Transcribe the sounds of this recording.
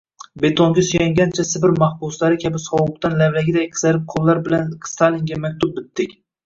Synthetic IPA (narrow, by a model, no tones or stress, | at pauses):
be̞t̪ʰoŋɡʲasʊjaŋɡʲant͡ʃʰasɪbɪɾmɑhbʊslaɾɪkʲʰabɪsɒwʊp̚t̪anlavlaɡʲɪd̪ajqʰɨ̥zaɾɪp̚qʰolˠːaɾbɪlanst̪ʰaliŋɡʲamak̚ʲt̪ʰʊp̚bɪt̪ːɪkʲ